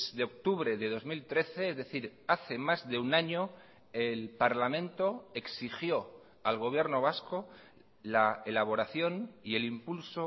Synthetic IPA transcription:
zðe̞ok̚t̪uβɾe̞ðe̞ðo̞zmilt̪ɾe̞θe̞ezðe̞θiɾaθe̞mazðe̞unaɲo̞ | elpaɾlamẽnt̪oe̞ksixjo̞ | alɣ̞o̞β̞je̞ɾno̞β̞asko | laelaβ̞o̞ɾaθjo̞nie̞limpulso

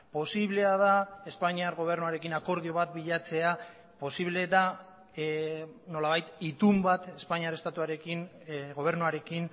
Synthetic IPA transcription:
po̞siβle̞að̞ae̞spaɲiaɾɣo̞β̞e̞ɾnuaɾe̞kinako̞ɾðio̞βat̪biʎat͡se̞a | po̞siβle̞d̪a | no̞laβajt̪it̪umbat̪e̞spaɲiaɾe̞st̪at̪uaɾe̞kin | ɣo̞β̞e̞ɾnuaɾe̞kin

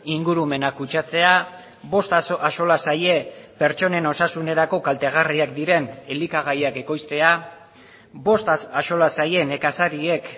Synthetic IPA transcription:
iŋɡuɾume̞nakut͡ʃat͡se̞a | βo̞st̪aaso̞lasaje̞pe̞ɾt͡ʃo̞ne̞no̞sasune̞ɾako̞kalt̪e̞ɣ̞ariakd̪iɾe̞ne̞likaɣ̞ajake̞ko̞jst̪e̞a | bo̞st̪aso̞lasaje̞ne̞kasaɾie̞k

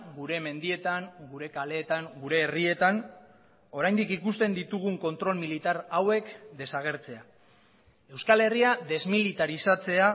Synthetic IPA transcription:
ɡuɾe̞me̞nd̪ie̞t̪aŋɡuɾe̞kale̞ːt̪aŋɡuɾe̞ːrie̞t̪an | o̞ɾajnd̪ikikust̪e̞nd̪it̪uɣ̞uŋko̞nt̪ɾo̞lmilit̪aɾawe̞kd̪e̞saɣ̞e̞ɾt͡se̞a | e̞wskale̞riaðe̞zmilit̪aɾisat͡se̞a

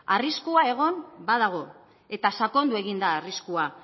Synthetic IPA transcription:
ariskuae̞ɣ̞o̞mbaðaɣ̞o̞ | e̞t̪asako̞nd̪ue̞ɣind̪aːriskua

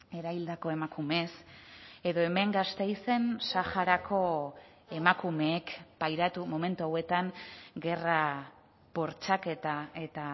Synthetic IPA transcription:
e̞ɾaβild̪ako̞e̞makume̞se̞ðo̞e̞me̞ŋɡast̪e̞jse̞nsaxaɾakʰo̞ | e̞makume̞ːkpajɾat̪umomẽ̞nt̪uawe̞t̪aŋɡe̞ra | po̞ɾt͡ʃake̞t̪ae̞t̪a

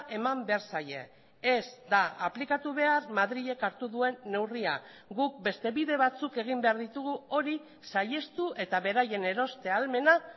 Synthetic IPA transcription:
ʔe̞mambe̞aɾsaje̞̰ | ezd̪aaplikat̪uβ̞e̞armaðɾiʎe̞kaɾt̪uðue̞nːe̞wria | ɡuk̚be̞st̪e̞βiðe̞β̞at͡suke̞ɣ̞imbe̞aɾðit̪uɣuo̞ɾi | saje̞st̪uʔe̞t̪aβe̞ɾaje̞ne̞ɾo̞st̪e̞alme̞na

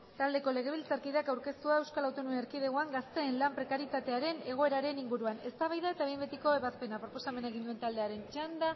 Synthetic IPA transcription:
t̪ald̪e̞ko̞le̞ɣ̞e̞β̞ilt͡saɾkiðakawɾke̞st̪uae̞wskalawt̪onueɾkiðeɣoaŋɡast̪e̞ːnlampɾe̞kaɾit̪at̪e̞aɾe̞ne̞ɣ̞o̞e̞ɾaɾe̞niŋɡuɾuane̞st̪aβajðae̞t̪aembet̪iko̞e̞βaspe̞napɾo̞po̞same̞naeɣind̪ue̞nt̪ald̪e̞aɾe̞nt͡ʃand̪a

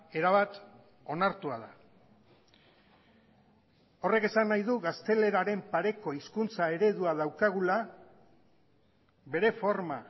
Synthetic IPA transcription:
e̞ɾaβat̪ | o̞naɾt̪uaða | o̞re̞ke̞sanːajðuɣast̪e̞le̞ɾaɾe̞mpaɾe̞ko̞iskunt͡sae̞ɾe̞ðuaðawkaɣ̞ula | βe̞ɾe̞fo̞ɾma

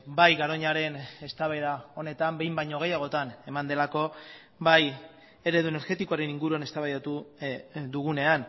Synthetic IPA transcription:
bajɣaɾo̞ɲaɾe̞ne̞st̪aβe̞ɾao̞ne̞t̪ambe̞jmbajɲo̞ɣe̞jaɣ̞o̞t̪ane̞mand̪e̞lako̞ | baj | e̞ɾe̞ðuene̞ɾɣe̞t̪iko̞aɾe̞niŋɡuɾuane̞st̪aβajat̪u | d̪uɣune̞an

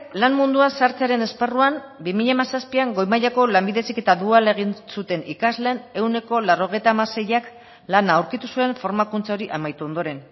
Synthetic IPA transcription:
lanmund̪uansaɾt͡seaɾe̞ne̞sparuambimiʎamasaspiaŋɡo̞jmaʎako̞lambiðe̞sike̞t̪aðuale̞ɣ̞insut̪e̞nikazle̞ne̞wne̞ko̞laro̞ɣ̞e̞jt̪amase̞jak | lanaːwɾkit̪usue̞ɱfo̞ɾmakunt͡sao̞ɾiʔamajt̪uo̞nd̪o̞ɾe̞n

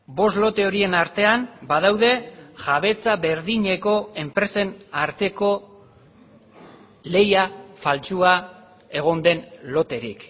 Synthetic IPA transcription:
bo̞s̬lo̞t̪e̞o̞ɾie̞naɾt̪e̞ambað̞awðe̞ʝaβ̞e̞t͡saβe̞ɾðiɲe̞ko̞e̞mpɾe̞se̞naɾt̪e̞ko̞ | le̞jafalt͡ʃua | e̞ɣ̞o̞nd̪e̞nlo̞t̪e̞ɾḭk

